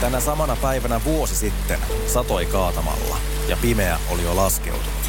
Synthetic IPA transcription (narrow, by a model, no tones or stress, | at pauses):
t̪ænæsɑmɑnɑpæiʋænæʋuo̞sisit̪ːen | sɑt̪o̞ikɑːt̪ɑmɑ̰lːɑ̰ | jɑpimeæ̰ʔolijolɑske̞̰ut̪unut̪